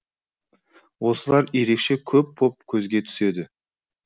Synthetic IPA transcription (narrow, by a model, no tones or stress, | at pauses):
wo̞səlˠɑɾje̞ɾe̞kʃe̞kʲʰɵpːʰo̞p̚kʲʰɵzɡʲe̞t̪ʰʏ̥se̞d̪ɪ